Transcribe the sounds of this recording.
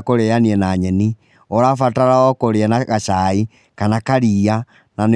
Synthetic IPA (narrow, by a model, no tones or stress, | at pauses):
koɾeaniɛnaɲɛni | ɔɾafataɾaɔkoɾeɛnaɣaʃai | kanakaɾiːa | nane